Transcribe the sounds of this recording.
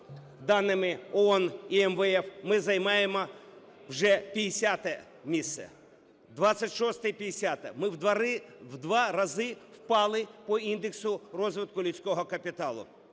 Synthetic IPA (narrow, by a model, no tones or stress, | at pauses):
d̪ɑnːɪmɪɔɔniɛmʋɛɛfmɪzɐjmɑjemɔ | wʒɛpʲijesʲat̪ɛ | mʲist̪sɛ̰ | d̪ʋɑsʲɐtʲʃɔst̪ɛpʲijesʲat̪ɛ̰mɪwd̪ɐɾɪwd̪ʋɑɾɐzɪwpɑlˠɪpɔind̪eksʊrɔzʋɪt̪̚kʊlʲut͡sʲkɔɦɔkɐpʲɪt̪ɑlˠʊ̰